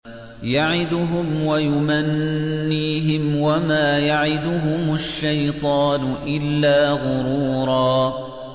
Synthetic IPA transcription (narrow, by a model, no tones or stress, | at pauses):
jaʕɪd̪ʊɦʊmwajʊmanːiːɦɪmwamaːjaʕɪd̪ʊɦʊmʊʃːajt̪ˤɑːnʊʔɪlːaːɣʊɾuːɾˤɑː